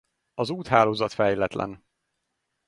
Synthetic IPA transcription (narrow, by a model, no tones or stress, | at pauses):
ɒzuːt̪ɦaːloːzɒt̪fɛjlɛt̪lʔɛ̰n